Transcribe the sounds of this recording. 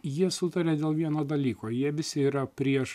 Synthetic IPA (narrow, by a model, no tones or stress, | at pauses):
jiɛsʊt̪ɐɾʲeːd̪ʲeːlˠʋʲiɛnoːd̪ɐlʲiːkoːjiɛʋʲɪsʲɪiːɾɐpʲɾʲiɛʃ